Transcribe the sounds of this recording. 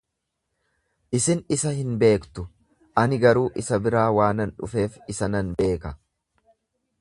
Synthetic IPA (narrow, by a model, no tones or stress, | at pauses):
ʔɪsɪnɪsɐhɪnbe̞ːkt̪ʊ | ʔɐnɪɡɐɾuːʔɪsɐbɪɾaːwaːnɐnᶑʊ̰fe̞ːfɪsɐnɐnbe̞ːkɐ